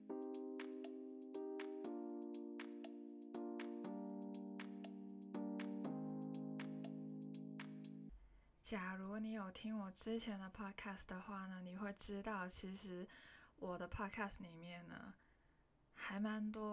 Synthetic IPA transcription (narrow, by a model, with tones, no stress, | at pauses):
t͡ɕja˨˩ɻu˧˥ni˧˥jo˨˩ʊt̪ʰi˥ŋwɔ˨˩ʈ͡ʂɻ̩˥t͡ɕʰjɛ˧˥nd̪ə˧pʰɑ˥˩kʰa˥˩sd̪ə˩xwa˥˩nə˩ni˨˩xwe˥˩ɪʈ͡ʂɻ̩˥t̪ɑ˥˩ʊt͡ɕʰi˧˥ʂɻ̩˧˥wɔ˨˩d̪ə˦pʰɑ˥˧kʰa˥˩sli˨˩mjɛ˥˩nːə̰˩ | xa˧˥ɪma˧˥nt̪wɔ˥